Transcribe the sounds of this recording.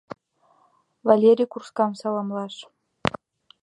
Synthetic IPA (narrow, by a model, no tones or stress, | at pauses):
vɑlʲeɾʲijkurskɑmsɑlˠɑmlˠɑʂ